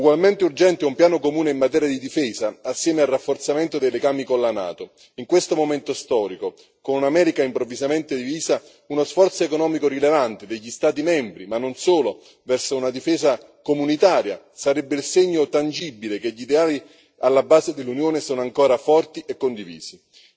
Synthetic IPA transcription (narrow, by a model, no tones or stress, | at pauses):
uɡwalment̪eurd͡ʒɛnt̪eumpjaːnokomuːneimːat̪ɛːɾjad̪id̪ifɛːzaasːjɛːmealrafːort̪sament̪od̪ejleɡaːmikolːana̰ːt̪o | iŋkwest̪omoment̪ost̪ɔːɾiko | konunamɛːɾikaimpɾovːizament̪ed̪iviːza | unosfɔrt̪soekonɔːmikorilevant̪ed̪eʎːist̪aːt̪̬imɛmbɾimanːonsoːlo | vɛrsounad̪ifɛːza | komunit̪aːɾja | saɾɛbːeilseɲːot̪and͡ʒibːilekeʎːid̪eaːli | alːabːaːzed̪elːunjoːnesoːnoaŋkoːɾafɔrt̪iʔekːond̪ivḭːz̥i